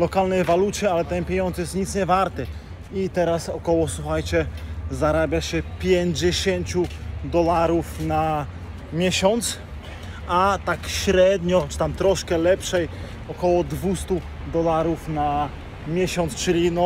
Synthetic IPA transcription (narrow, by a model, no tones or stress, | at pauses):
lɔkalnɛjvalut͡ɕɛalɛt̪ɛnpʲeɲɔnd̪zɨjɛst̪ɲit̪sɲɛvaɾt̪ɛ | it̪ɛɾasɔkɔwɔsuxajt͡ɕɛzaɾabʲjaɕɛpʲjeɲd͡ʑɛɕeɲt͡ɕud̪ɔlaɾufna | mʲjɛɕɔnt̪s | ʔat̪akɕɾɛd̪ɲɔt͡ʂɨ̥t̪amt̪ɾɔʂkɛlɛpʂɛj | ɔkɔwɔd̪vust̪u | d̪ɔlaɾufna | mʲjɛɕɔnt̪st͡ʂɘlʲinɔ